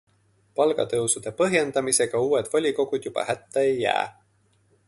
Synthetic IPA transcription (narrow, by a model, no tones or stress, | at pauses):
pɑlɡ̥ɑ̰t̪ɤwsud̪̥e̞pɤɦje̞nd̪̥ɑmise̞ɡ̥ɑuːwe̞d̪̥volʲiko̞ɡ̥ud̪̥jub̥ɑ̰hæt̪ːeejːæ̰ː